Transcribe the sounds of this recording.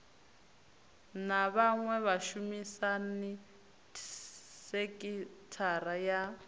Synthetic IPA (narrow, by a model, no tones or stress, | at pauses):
naβaŋwɛβaʃumisani | sekʼitʰaɾaja